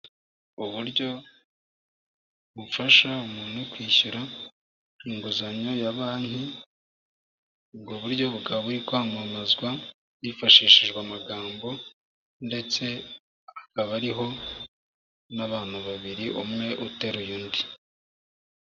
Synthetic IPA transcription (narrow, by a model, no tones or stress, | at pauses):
uβuɾɟo̞ | βufaʃaumuːn̥ukwiːçuɾa | iŋɡuzaɲojaβaːnhi | ɡoβuɾɟo̞βuɡaβaβuɾikwohamamazɡwa | jifaʃiːʃiʒɡwamaɡaːmbo̞ | nde̞t͡se̞ | akaβaɾiɦo̞ | naβaːn̥uβaβiɾiʔomŋe̞ʔuteɾujuːndi